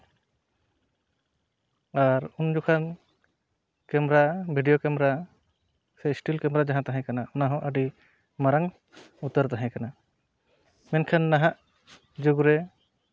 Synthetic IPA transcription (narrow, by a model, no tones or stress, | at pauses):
aɾund͡ʒukʰan | kɛmɾabʱiɖijokɛmɾa | sɛsʈilkɛmɾad͡ʒaɦãt̪aɦãjkanaunaɦɔ̃ʔəɖi | maɾaŋ | ut̪ːəɾt̪aɦãjkana | mɛnkʰanːaɦaʔ | d͡ʒuɡɾɛ